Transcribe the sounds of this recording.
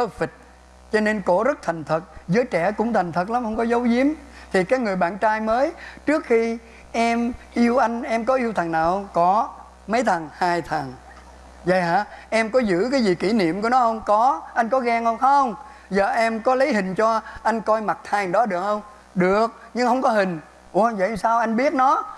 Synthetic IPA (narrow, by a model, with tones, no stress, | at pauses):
əː˦fi˨˩t̚ | t͡ɕɔ˧ne˧nko˧˩zə˦˥t̚t̪ʰa˨˩ŋ̟t̪ʰə˨˩t̚zəː˨˦jt͡ɕɛ˧˩kʊ̰˧˥ŋ͡mt̪ʰa˨˩jŋ̟t̪ʰə˨˩t̚la˨˦mhə˧wŋ͡mkɔ˨˦zə˨˦wzi˨˦əm | t̪ʰi˨˩kaː˨˦k̚ŋɨ˨˩əjɓa̰ː˧˨nt͡ɕaː˧jməː˨˦jt͡ɕɨ˦˥ək̚xi˧ | ʔɛ˧mʔi˧əwʔa˧jŋ̟ʔɛ˧mkɔ˨˦ʔi˧əwt̪ʰə˨˩ŋnaː˨˩whə˧wŋ͡mkɔ˨˦ | mə˨˦jt̪ʰə˨˩ŋhaː˧jt̪ʰə˨˩ŋ | zə̰˧˨jha̰ː˧˥ʔɛ˧mkɔ˨˦zɨ̰˧˥kaː˨˦jzi˨˩ki˧˩nḭ˧˨əmku˧˩ənɔ˨˦hə˧wŋ͡mkɔ˨˦ʔa˧jŋ̟kɔ˨˦ɣɛ˧ŋhə˧wŋ͡mxə˧wŋ͡m | zəː˨˩ʔɛ˧mkɔ˨˦lə˨˦jhï˨˩ŋ̟t͡ɕɔ˧ʔa˧jŋ̟kɔ˧jma˨˩t̚t̪hʰaː˧jɗɔ˨˦ɗɨ˨˩ək̚hə˧wŋ͡m | ɗɨ˨˩ək̚ | ɲɨ˧ŋhə˧wŋ͡mkɔ˨˦ɦï˨˩ŋ̟ | ʔŋ͡mzə̰˧˨˩saː˧wʔa˧jŋɓi˦˥ət̚nɔ˨˦